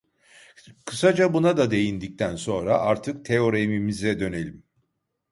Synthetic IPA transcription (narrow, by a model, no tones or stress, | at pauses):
kʰɯsad͡ʒabunad̪ad̪e̞jind̪ic̚t̪ʰænso̞nɾaʔaɾt̪ʰɯk̚t̪ʰeo̞ɾemimizɛd̪ø̞ne̞lʲim